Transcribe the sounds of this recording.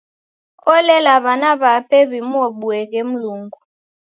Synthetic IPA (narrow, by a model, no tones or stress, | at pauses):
ɔlɛlaβanaɓapʰeβimuwoɓuɛk̬em̩luːŋɡu